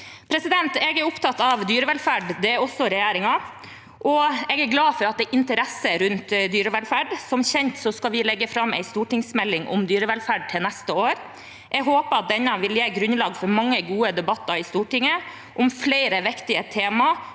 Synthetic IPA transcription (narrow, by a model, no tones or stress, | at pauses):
pʰɾɛsɪd̪ɛnt̪ɛɡæɾʊpt̪ʰɑt̪ːɑʋd̪yːɾəʋɛlfæɖd̪ɛæɾɔsːɔɾɛjæːɾɪŋɑ | ʔɔɛɡæɾɡlɑːfɔɾɑt̪̚d̪ɛʔɪnt̪əɾɛsːəɾʉnt̪d̪yːɾəʋɛlfæɖsɔmçɛnt̪sɔskɑʋɪlɛɡːəfɾɑmæ̰ɪst̪uːʈɪŋsmɛlːɪŋʔɔ̰md̪yːɾəʋɛlfæɖ̚ʈ̪ʰɪlnɛst̪əoːɾ | ʔɛɡɦoːpəɑt̪̚d̪ɛnːɑʋɪljeːɡɾʉnlɑːɡfɔɾmɑŋːəɡuːəd̪ɛbɑt̪ːɑɪst̪uːʈɪŋːə | ʔɔmfleɪɾəʋɪkt̪ɪət̪ʰeːmɑ